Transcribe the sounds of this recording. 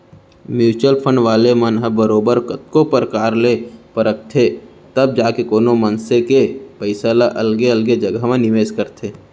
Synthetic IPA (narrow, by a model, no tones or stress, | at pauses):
mjuːt͡ʃəlpʰə̃ɳɖʋaːlemənɦəbəɾoːbəɾkət̪kopəɾkaːɾlepəɾək̚t̪ʰe | t̪əb̚d͡ʒaːkekoːnomə̃nsekepəɪsalaʔɐlɡeəlɡed͡ʒəɡamẽnɪʋeːʃkəɾt̪ʰeː